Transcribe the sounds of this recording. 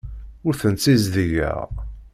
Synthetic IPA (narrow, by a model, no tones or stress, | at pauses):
ʊɾθənt͡sːizðiʝæ̰ʁ